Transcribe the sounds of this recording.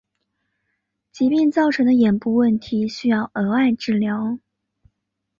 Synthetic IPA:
t͡ɕi˧˥pi˥˧ŋt͡sɑ˥˩ʊʈ͡ʂʰɤ˧˥ŋd̪ə˧jɛ˨˩npu˥˧wə˥˩nt̪ʰi˧˥ɕy˥jɑ˥˩ʊʔɤ˧˥a˥˧ɪʈ͡ʂɻ̩˥˩ljɑ˧˥ʊ

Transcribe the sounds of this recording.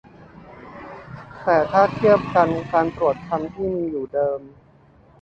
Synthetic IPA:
ɛː˩˦t̪ʰaː˥˩t̪ʰi˥˩əp̚ka˧nkaː˧nt̪ɾu˨˩ət̪̚k̪ʰa˧mt̪ʰiː˥˩miː˧juː˨˩dɤː˧m

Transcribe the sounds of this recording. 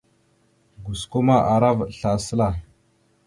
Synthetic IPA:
ɡu˨sko˦ma˦ʔa˨ɾa˦vɬa˨sə˦la˦

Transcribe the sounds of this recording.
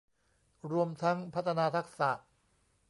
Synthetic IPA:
ɾu˧əmt̪ʰa˦˥ŋpʰa˦˥t̪ʰːa˧naː˧t̪ʰa˦˥k̚sa̰˨˩ʔ

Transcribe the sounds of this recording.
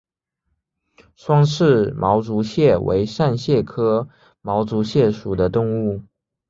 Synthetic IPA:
ʂwɑ˥ŋʂɻ̩˥˩mʔɑ˧˥ʊt͡su˧˥ɕjɛ˥˩wʔḛ˧˥ɪʂa˥˧nɕjɛ˥˩kʰɤ˥ | mɑ˧˥ʊt͡su˧˥ɕjɛ˥˩ʂu˨˩d̪ə˦t̪ʊ˥˧ŋu˥˩

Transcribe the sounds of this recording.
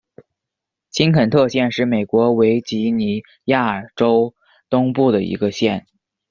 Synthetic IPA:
t͡ɕʰi˥nkʰə˨˩nt̪ʰɤ˥˧ɕjɛ˥˧nʂɻ̩˥˩me˨˩ɪkwɔ˧˥we˧˥ɪt͡ɕi˧˥ni˧˨˩ | ja˥˩ə˨˩ʈ͡ʂo˥ʊ | t̪ʊ˥ŋpu˥˩d̪ə˩ḭ˧˥ɡə˧ɕjɛ˥˩n

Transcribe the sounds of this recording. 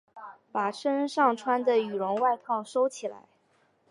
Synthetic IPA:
pa˨˩ʂʰə˥nʂɑ˥˩ŋʈ͡ʂʰwa˥nd̪ə˨y˨˩ɻʊ˧˥ŋwa˥˧ɪkʰɑ˥˩ŋʂo˥ʊt͡ɕʰi˨˩la̰˧˥ɪ

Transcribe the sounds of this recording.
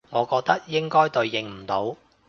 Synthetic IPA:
ŋɔː˨˧kɔː˧k̚t̪ɐ˥k̚jɪ˥ŋkɔː˥jt̪ɵ˨˧ɥːɪ˨ŋm̩˨˩t̪o˨˥w

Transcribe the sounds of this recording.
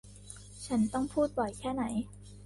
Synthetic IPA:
t͡ɕʰa˦˥nt̪ɔ˥˩ŋpʰuː˥˩t̪̚pɔ˨˩jkʰɛː˥˩na˩˦j

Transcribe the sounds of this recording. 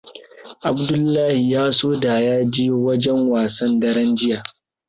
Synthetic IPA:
ʔa˨bdʊ˦lːaː˦hi˨jaː˦soː˦da˨jaː˦d͡ʒi˦wɐ˦d͡ʒɛ˦ŋwaː˨sɐ˦ndɐ˦ɽɐ˦nd͡ʒɪ˦jaː˨

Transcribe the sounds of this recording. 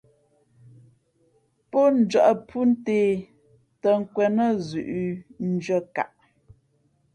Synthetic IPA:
pɔ˦n̩˦d͡ʒɥə˦˨ʔə˨pʰu˦n̩˦teː˨˦ | tə˨ŋ̩˦kwɛ˨nə˦˨zʉ˨ʔn̩˦d͡ʒɥə˦˨ka̰˨ʔ

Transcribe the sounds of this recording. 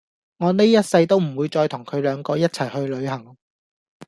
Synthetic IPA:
ŋɔː˨˧ne˥jɐ˥t̚sɐ˧jt̪o˥wm̩˨˩wuː˨˧jt͡sɔː˧jt̪ʰʊ˨˩ŋkʰɵ˨˧ɥlœː˨˧ŋkɔː˧jɐ˥t̚t͡sʰɐ˨˩jhɵ˧ɥlɵ˨˧ɥhɐ˨˩ŋ

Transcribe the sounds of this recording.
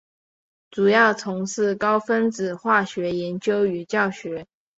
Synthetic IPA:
ʈ͡ʂu˨˩jɑ˥˩ʊt͡sʰʊ˧˥ŋʂɹ̩˥˩kɑ˥ʊfə˥nt͡sɹ̩˨˩xwa˥˩ɕɥɛ˧˥jɛ˧˥nt͡ɕjo˥ʊy˨˩t͡ɕjɑ˥˩ʊɕɥɛ˧˥

